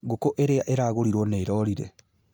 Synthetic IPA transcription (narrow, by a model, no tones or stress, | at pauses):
ɣokoʔeɾeaʔeɾaːɣoɾiɾwɔneːɾɔɾiɾḛ